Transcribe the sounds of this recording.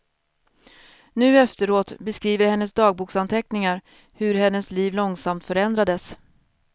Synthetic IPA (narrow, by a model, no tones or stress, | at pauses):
nʉ̟ːɛft̪əɾoːt̪bɛskɾiːvəɾhɛnːəsd̪ɑːɡ̚buːksant̪ʰɛknɪŋaɾ | hɵɾhɛnːəsliːvlɔŋsamt̪fœɾɛnd̪ɾad̪əs